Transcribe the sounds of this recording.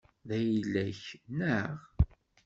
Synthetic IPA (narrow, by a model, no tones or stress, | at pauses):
ðæjilːæçnəʁ